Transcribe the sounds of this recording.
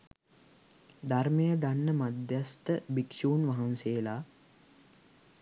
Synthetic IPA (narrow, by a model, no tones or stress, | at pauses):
d̪armejəd̪anːəmad̪jast̪əbikʂuːnʋaɦanseːlaː